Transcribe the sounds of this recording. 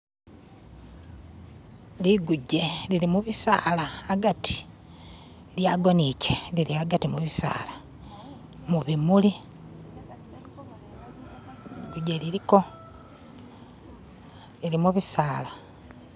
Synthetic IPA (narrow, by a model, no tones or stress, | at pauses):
liɡuɟe̞liɾimuβisa̰ːlaːɡatʰi̥ | ljaɡo̞niceliɾiaɡatimuβisa̰ːla | muβimuli | ɡuɟeliɾiko̞ | lilimuβisaːla